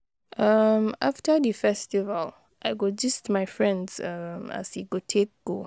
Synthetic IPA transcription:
ʔʌmaftədəfɛstivəl | ʔa̰ɪjɡɔd͡ʒʌstmaɪfɹɛ̃ndzʌma̰siɡotʰek̚ɡ̥o

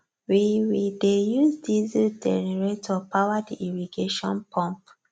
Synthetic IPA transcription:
wiwidejuzdizidɛniɹetʰɔpawadiiɹiɡeʃɔ̰̃npʰɔ̃mp

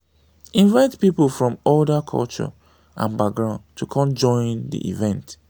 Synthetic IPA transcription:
ĩnvaɪtpipəlˠfɹɔ̃mɔldəkʰɔ̰lt͡ʃɔ̰ | ʔã̰nbaɡɹãʊ̃ntʰukʰɔ̃md͡ʒɔ̃ɪ̃ndḭʔḭvɛ̃nt

